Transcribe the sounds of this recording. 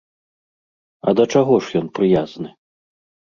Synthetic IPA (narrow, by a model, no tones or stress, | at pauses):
ɐ̰d̪ɐt͡ʂaɣɔʂjɔnpɾɨjaznɨ